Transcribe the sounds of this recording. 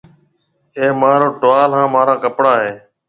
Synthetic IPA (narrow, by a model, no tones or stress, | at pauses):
ẽːmaːɾoːʈʊʋaːlɦãːmaːɾãːkəpɽaːɦeː